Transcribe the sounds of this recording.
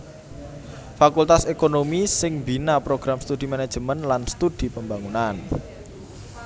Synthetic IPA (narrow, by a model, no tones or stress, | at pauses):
fakult̪asekonomisɪŋbinapɾoɡ̥ɾamst̪ud̪̥imane̥ʒ̥əmənlanst̪ud̪̥i̤pəmbaŋunan